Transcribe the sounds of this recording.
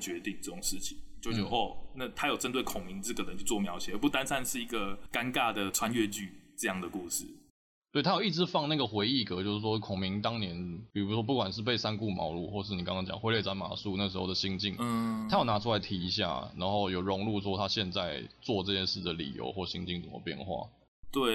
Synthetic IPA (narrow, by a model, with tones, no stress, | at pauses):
t͡ɕɥɛ˧˥t̪i˥˧ŋʈ͡ʂɤ˥˩ʈ͡ʂʊ˨˩ŋʂɻ̩˥˩t͡ɕʰi˨˩˦t͡ɕjo˥˧ʊ˥˧˥ɔ˥˩na˥˨˩t̪ʰa˥jo˨˩ʊʈ͡ʂə˦nt̪we˥˩ɪkʰʊ˨˩ŋmi˨˦ŋt͡sə˥˩ɡə˨˩ɻə˦t͡ɕjo˥˧t͡swɔ˥˨˩mjɑ˧˥ʊt͡ɕʰjɛ˨˦ə˧˩pu˥˩t̪a˥˦nsʰa˥˧nʂɻ̩˥˩i˧˥ɡə˨ka˦nka˥˧d̪ə˩ʈ͡ʂʰwa˦nɥɛ˥˧t͡ɕy˥˧ʈ͡ʂɤ˥˧jɑ˥˩ŋd̪ə˩ku˥˧ʂɻ̩˥˩ | t̪we˥˩ɪt̪ʰa˥ji˥˩ʈ͡ʂɻ̩˧˥fɑ˥˧ŋna˥˩ɡə˩xwe˧˥ɪi˥˩kɤ˧˥t͡ɕjo˥˧ʊʂɻ̩˥˩ʂwɔ˥kʰʊ˨˩ŋmi˧˥ŋt̪ɑ˥ŋnjɛ˧˦npi˨˩ɻu˧˥ʂwɔ˥p̬u˥˩kwa˨˩nʂɻ̩˥˧pe˥˩ɪsa˥nku˥˧˩mɑ̰˧˥ʊlṵ˥˧xwɔ˥˧ʂɻ̩˥˩ni˨˩kɑ˥ŋʰɑ˥ŋt͡ɕjɑ̰˨˩ŋxwe˥ɪlje˥˩t͡sa˧˥nma̰˨˩su˥˧na˥˨ə˩ʂɻ̩˧˥o˥ʊd̪ə˩ɕi˧˥ŋt͡ɕi˥˧ŋ˥t̪ʰa˥jo˨˩ʊna˧˥ʈ͡ʂʰu˥la˧ɪt̪ʰi˧˥i˧˥ɕ̬ja̰˥˩na̰˧˥nxo˥˩ʊjo˨˩ʊɻʊ˧˥ŋlu˥˧ʂwɔ˥t̪ʰa˦˥ɕjɛ˥˧nt͡sa˥˧ɪt͡swɔ˥˧ʈ͡ʂɤ˥˧ɕjɛ˥˧ʂɻ̩˥˩d̪ə˩lḭ˨˩jo̰˧˥ʊxwɔ˥˩˨ɕḭ˧˥ŋt͡ɕi˥˩ŋt͡sə˨˩mə̰˧˦pjɛ̰˥˧nxwa̰˥˩ | t̪we˥˩ɪ